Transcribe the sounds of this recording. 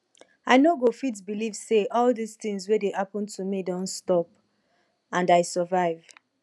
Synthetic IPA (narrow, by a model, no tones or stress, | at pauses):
aɪnoɡofit̬bilivseʔɔlðist̪ĩŋzwedehapɔ̃ntʰumidɔ̃nstɔp̚ | ãndaɪsəvaɪv